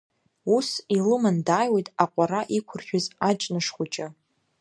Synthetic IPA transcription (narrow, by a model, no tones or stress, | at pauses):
usilɨmandaːjwejtʼaqʷʼaɾaʔikʷʰʊrχʲᶣʊzat͡ʃʼnɨʂχʷʊt͡ʃʼɪ